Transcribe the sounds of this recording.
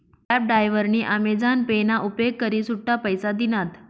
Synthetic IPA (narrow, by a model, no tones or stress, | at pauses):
pɛp̚ɖajʋəɾniːʔamed͡zanpenaʔupjeɡ̚kəɾiːsuʈːapəjsad̪inat̪